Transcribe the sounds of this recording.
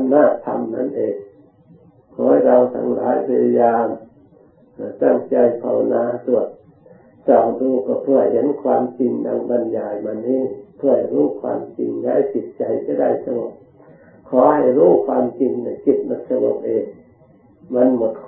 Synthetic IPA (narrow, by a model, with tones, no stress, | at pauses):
naː˧˩t̪ʰa̰˧mna̰˧˥˨nʔeː˨˧ | kʰɔː˨˦jɾa˧wt̪ʰa̰˧˦ŋla̰ː˨˦jpʰa˧ja˧jaː˧m | hɯ˧˩t̪a˧˩ŋt͡ɕa˧jpʰa˧˩wa˧naː˧su˧˩ət̪̚ | sa˨˩wduː˧kɔ˧˩pʰu˧˩əjhe˨˧˦nkʰwaː˧mt͡ɕi˧ŋna̰˧ŋba˧njaː˨˧˩jma˧nːiː˧˥˨pʰəha˨˩jɾuː˥˩kʰwa̰ː˧mt͡ɕḭ˧ŋda˧˥˨jpi˨˩t̪̚t͡ɕa˧jka˧˦da˧˩jsa˧ŋo˨˩p̚ | kʰɔː˨˦ha˨˩jɾuː˧˥˩kʰwaː˧mt͡ɕi˧ŋna˧˩jki˧˩t̪̚mo˧˦t̪̚sa˧ŋo˧˩p̚ʔeː˧˩ | ma˧˥˨nmo˨˩t̪̚kʰ